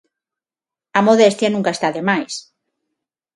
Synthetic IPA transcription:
amoðest̪janũŋkaest̪aðemajs

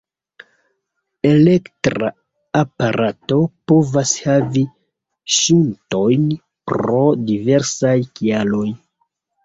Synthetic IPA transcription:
e̞le̞ktɾa̰ː | paɾato̞po̞vashavi | ʃunto̞jn | pɾo̞dive̞ɾsajkialo̞j

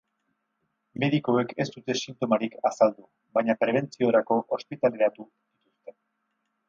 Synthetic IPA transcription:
me̞ðiko̞e̞ke̞st̪ut̪e̞sint̪o̞maɾikʰasald̪u | βajɲapɾe̞β̞e̞nt͡sio̞ɾako̞ʔospit̪ale̞ɾat̪u | d̪it̪ust̪e̞

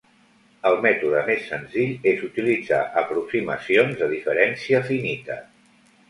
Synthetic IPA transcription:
əlˠmɛt̪uðəmesːənziʎezut̪ilid͡za̰ʔəpɾuksimə̰sionzðəðifəɾɛnsiəfinit̪ə

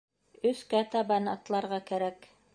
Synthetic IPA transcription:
ɵ̆skæt̪ɑbɑnɑ̰t̪lˠɑɾʁɑkæɾæk

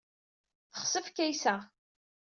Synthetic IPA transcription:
θə̥χsəfkːæjsæ

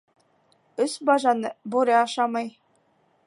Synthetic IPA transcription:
ɵsbɑʒɑnɤbuɾʲeɑʃɑmɑj

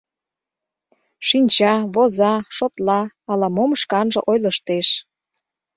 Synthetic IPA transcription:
ʃinʲt͡ɕɑβozɑʃot̪lɑːlɑmomʃkɑnʒə̰̆ʔojləʃt̪eʃ

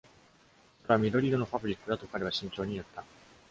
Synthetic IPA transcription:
soɾeβamʲid̪o̞ɾʲid̪o̞no̞pabɯɾʲikːɯ̟d̪at̪o̞kaɾe̞βaɕĩɲ̟t͡ɕo̞ːɲ̟ijot̪ːa

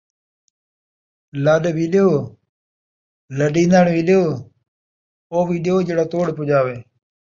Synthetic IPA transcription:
ləɗʋiːljoː | ləɗĩːnd̪aɳʋiːljoː | oːʋiːɗjoːd͡ʒeːɽaːt̪oːɽpʊd͡ʒaːʋeː

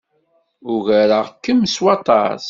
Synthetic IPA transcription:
ʊʝæɾəʁkːəmswɑt̪ˤɑ̰s

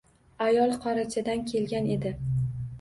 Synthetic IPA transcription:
ajɒlˠqʰɒɾat͡ʃʰad̪ankʲʰe̞lɡʲane̞d̪ɪ

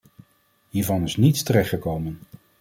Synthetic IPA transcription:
ɦiːɹvɑnɪsnitstəɾɛχtχəkowmən

